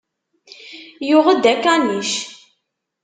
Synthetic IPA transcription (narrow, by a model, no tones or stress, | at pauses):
jʊʁəd̪ækːaniʃ